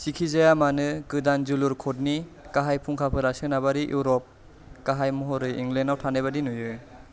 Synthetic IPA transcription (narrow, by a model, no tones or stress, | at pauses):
sikʰizajamanɯɡɯdanzuluɾkʰot̚ni | kaɦajpʰuŋkʰapʰɯɾasɯnabaɾijʔuɾɔp̚ | kaɦajmɔɦɔɾɯjiŋɡlenawtʰanajβadinujɯ